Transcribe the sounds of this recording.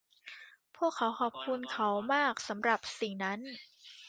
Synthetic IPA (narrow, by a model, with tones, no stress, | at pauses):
pʰu˥˩əkʰːa˩˦wkʰɔː˨˩p̚kʰu˧nkʰa˦˥wmaː˥˩k̚sa˩˦mɾa˨˩p̚si˨˩na˦˥n